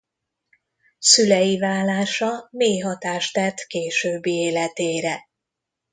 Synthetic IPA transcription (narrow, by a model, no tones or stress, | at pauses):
sylɛjivaːlːaːʃɒmeːjɦɒt̪aːʃt̪ɛt̪keːʃøːbːieːlɛt̪eːɾɛ